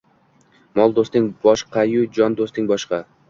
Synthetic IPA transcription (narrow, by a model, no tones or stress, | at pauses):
mɒlˠd̪ost̪ɪŋbɒʃqʰɑjʊd͡ʒɒnd̪ost̪ɪŋbɒʃqɑ